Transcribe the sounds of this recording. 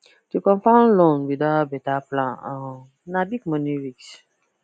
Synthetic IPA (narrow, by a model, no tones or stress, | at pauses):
tukɔ̃mfãʊ̃nlɔ̃nwidabɛtaplãnã | nabikmɔ̃nĩɹiks